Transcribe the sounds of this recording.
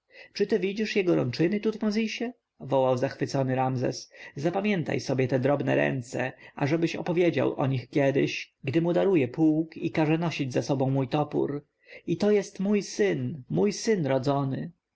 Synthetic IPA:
t͡ʂɘt̪ɘvʲid͡ʑiʂjɛɡɔɾɔ̰nt͡ʂɘnɘt̪ut̪mɔzʲiɕɛ | vɔwawzaxfɘt̪sɔnɘɾamzɛ̰szapamʲjɛnt̪a̰jsɔbʲjɛt̪ɛd̪ɾɔbnɛ̰ɾɛ̰nt̪sɛʔaʐɛbɘɕɔ̰pɔvʲjed͡ʑa̰wʔɔ̰ɲixkʲjɛd̪ɘ̰ɕ | ɡd̪ɘmud̪aɾujɛpuwkikaʐɛnɔɕid͡ʑzasɔbɔ̃w̃mujt̪ɔpṵɾ | it̪ɔjɛst̪mujsɘnmujsɘnɾɔd̪zɔnɘ

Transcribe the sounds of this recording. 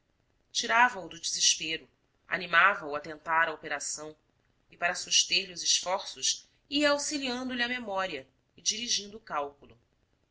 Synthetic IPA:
t͡ʃiɾavɐud̪ʊd͡ʒiziʃpeɾʊ | a̰nimavɐuɐt̪ẽnt̪aɾɐopeɾasɐ̃w̃ | ɪpaɾɐsuʃt̪eɾliʊzɪʃfɔɾsʊʃ | iɐawsiliɐ̃nd̪ʊliɐmemɔɾiɐ | ɪd͡ʒiɾiʒĩnd̪ʊːkawkulˠʊ

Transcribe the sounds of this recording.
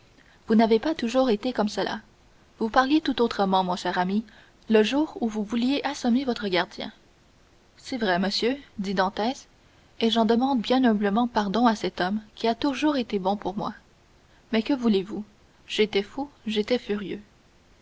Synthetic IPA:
vunavepat̪uʒuːʁet̪ekɔmsəlʔa̰ | vupaʁljet̪ut̪ot̪χəmɑ̃mɔ̃ʃɛːʁami | ləʒuːʁuvuvuljeʔɛ̃sɔmevɔt̪χəɡʲaʁd̪jɛ̰̃ | sɛvʁɛməsjød̪id̪ɑ̃t̪ɛs | eʒɑ̃d̪əmɑ̃d̪̚bjɛ̃nɔbləmɑ̃paʁd̪ɔ̃asɛt̪ɔmkʲiat̪uʒuːʁet̪ebɔ̃puʁmwa̰ | mɛkəvulevu | ʒ̥et̪ɛfuʒet̪ɛfyʁjø̰

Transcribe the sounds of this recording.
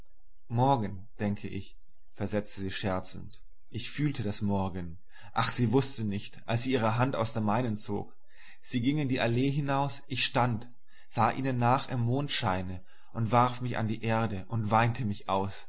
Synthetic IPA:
mɔɐɡən | d̥ɛŋkʰəʔɪç | fɛɐzɛt͡stəziːʃɛɐt͡sn̩t | ʔɪçfyːltʰədasmɔɐɡən | ʔaχz̥iːvʊstənɪçtʔa̰lsz̥iːʔiːʁ̞əɦantaʊsd̥eːɐmaɪnənt͡so̰ːk | z̥iːɡɪŋɪndiːʔaleːɦɪnaʊsʔɪçʃtant | z̥aːʔiːnənːaːχɪmːoːntʃaɪnə | ʔʊntv̥aʁfmɪça̰ndiːʔeːɐdəʔʊntv̥aɪntʰəmɪçʔaʊs

